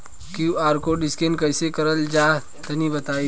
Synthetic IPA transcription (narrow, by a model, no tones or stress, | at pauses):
kuaːɾkoɖɪskẽːnkɐɪsekɐɾəld͡ʒaː | t̪ɐnibɐt̪aːi